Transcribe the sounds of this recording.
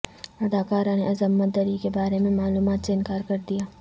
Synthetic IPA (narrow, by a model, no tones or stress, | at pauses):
ɐd̪aːkaːɾãneʔɐzəmːət̪̚d̪ɐɾikebaːɾemẽmaːluːmaːt̪seɪnkaːɾkɐɾd̪ijaː